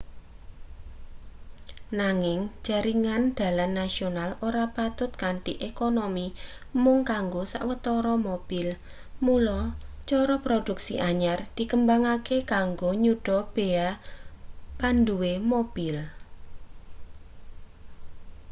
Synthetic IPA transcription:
naŋɪŋ̥d͡ʒ̥a̤ɾiŋand̪̥a̤lanːasionaloɾapat̪ʊt̪̚kaɳʈiʔekonomi | mʊŋkaŋɡosa̰ʔwət̪ɔɾɔmob̥ɪl | mulɔt͡ʃɔɾɔpɾod̪̥ṳksḭʔaɲard̪̥i̤kəmbaŋakekaŋɡoɲuɖ̥ɔ̤b̥ea | pand̪uwemob̥ɪl

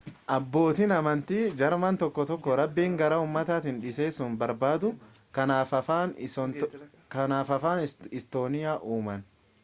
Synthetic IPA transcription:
ʔɐbːo̞ːt̪inɐmɐnt̪iːd͡ʒɐɾmɐnt̪ɔkːɔt̪ɔkːɔɾɐbːiːŋɡɐɾɐuːmːɐt̪aːt̪ɪnᶑɪse̞ːsʊnbɐɾbaːd̪ʊ | kɐnaːfɐfaːn | kɐnaːfɐfaːnɪst̪o̞ːnɪjaːʔuːmɐn

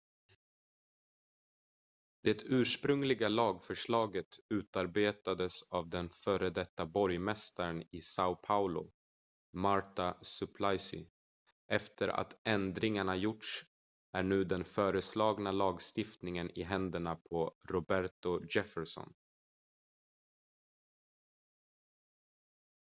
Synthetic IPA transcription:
d̪̥ɛt̪ʰʉ̟ːʂpɾɵŋlɪɡalɑːɡfœʂɭɑːɡət̪ʉ̟ːt̪aɾbeːt̪ad̪əsavd̪ɛnfœːɾəd̪ɛt̪ːabɔɾjmɛst̪aɾənɪsaʊpʰaʊlʊ̰ | maɾt̪asɵpʰlajsʏ̰ | ʔɛft̪ʰəɾa̰t̪ʰɛnd̪ɾɪŋaɳajʊʈʂ | æɳʉ̟ːd̪ɛnfœːɾəslɑːɡnalɑːɡst̪ɪft̪nɪŋənɪ̰ɦɛnd̪əɳapʰɔɾʊbæɾt̪ʊd͡ʒɛfəʂɔ̰n

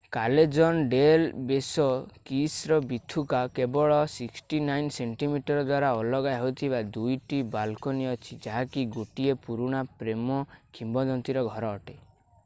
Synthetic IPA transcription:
kaled͡ʒɔnɖelbesɔkisɾɔbit̪ʰukakebɔɭɔsiksʈinajnseɳʈimiʈɔɾɔd̪waɾaɔlɔɡajɦojt̪ʰibad̪ujʈibalkɔniɔt͡ʃʰid͡ʒaɦakiɡuʈiepuɾuɽ̃apɾemɔkʰimbɔd̪ɔnt̪iɾɔɡʱɔɾɔːʈe

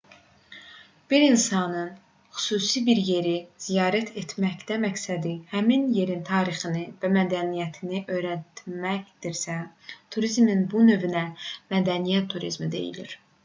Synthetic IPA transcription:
b̥iɾinsɑnɯn | xy̥suːsibiɾje̞ɾiz̥ijɑːɾæt̪ʰe̞t̪ʰmæçd̪æmæksæd̪ihæminje̞ɾint̪ʰɑːɾiχɯnɯvæmæd̪ænijæt̪ʰiniʔø̞jɾæt̪mæçd̪̥iɾsæ | t̪ʰuɾizminbunø̞vynæmæd̪ænijæt̪ʰːuɾḭzmid̪e̞̰jḭlḭɾ

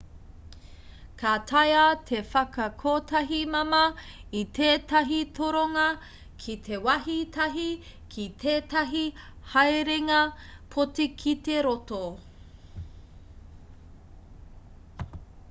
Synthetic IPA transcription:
kʰatʰɐjɐtʰefɐkɐkʰotʰɐɦimɐmɐ | it̪ʰeːtɐɦitʰoɾoŋɐ | kʰitʰewɐɦitʰɐɦikʰitʰeːtɐɦihɐjɾeŋɐpʰotikʰit̪eɾoto

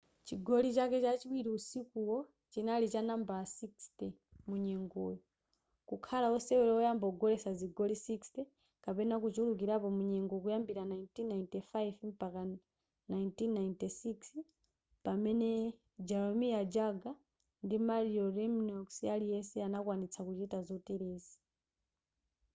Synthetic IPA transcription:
t͡ʃiɡɔlit͡ʃakɛt͡ʃat͡ʃiwiɾiusikuwɔ | t͡ʃinalit͡ʃanambasikstɛ | muɲɛŋɡɔjɔ | kukʰalaɔsɛwɛlɛɔjambaɔɡɔlɛsaziɡɔlisikstɛ | kapɛnakut͡ʃuluk̬iɾapɔmuɲɛŋɡɔkujambiɾanajntinːajntɛfajivm̩paka | najntinːajintɛsiks | pamɛnɛ | d͡ʒaɾɔmiad͡ʒaɡa | ndimaɾiɔɾɛmnɔksalijɛsɛanakwanit͡sʰakut͡ʃitazɔtɛɾɛːzi̥

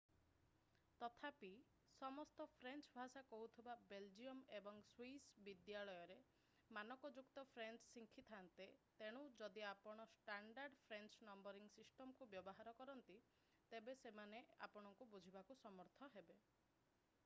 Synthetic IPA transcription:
t̪ɔt̪ʰapi | sɔmɔst̪ɔpʰɾent͡ʃbʱasakɔɦut̪ʰibabeld͡ʒiɔmebɔŋswisbid̪jaɭɔjɔɾe | manɔkɔd͡ʒukt̪ɔpʰɾent͡ʃsiŋkʰit̪ʰant̪et̪eɽ̃ud͡ʒɔd̪iapɔɽ̃ɔsʈaɳɖaɾɖpʰɾent͡ʃnɔmbɔɾiŋsisʈɔmkubjɔbɔɦaɾɔkɔɾɔnt̪i | t̪ebesemanea̰pɔɽ̃ɔŋkubud͡ʒʱibakusɔmɔɾt̪ʰɔɦebe

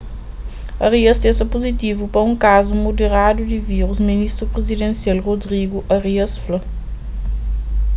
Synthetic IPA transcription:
ɐʁiɐst̪ẽsɐpuzit̪ivupɐɾɐũŋkazumud̪eɾad̪ud̪iviʁuzminist̪ɾupɾezid̪ẽnsialʁod̪ɾiɡuʔɐʁiɐsflɐ

